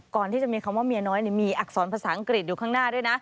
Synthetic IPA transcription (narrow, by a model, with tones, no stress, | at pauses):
kɔː˨˩nt̪ʰiː˥˩t͡ɕa˨˩miː˧kʰa˧mwaː˥˩mi˧nɔː˦˥jni˦˥˩miː˧ʔa˨˩k̚sɔː˩˦npʰaː˧saː˩˦ʔa˧ŋkɾi˨˩t̪̚juː˨˩kʰaː˥˩ŋnaː˥˩du˥˩jna˦˥ʔ